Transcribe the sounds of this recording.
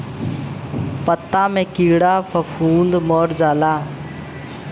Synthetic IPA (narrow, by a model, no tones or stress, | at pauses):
pət̪ːaːmẽːkiːɽaːpʰəpʰuːnd̪mɔːɾd͡ʒaːlaː